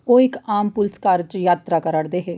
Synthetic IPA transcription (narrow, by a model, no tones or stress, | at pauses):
oːɪkaːmpʊlskaːɾd͡ʒjaːt̪ɾaːkəɾəɽd̪eːɦeː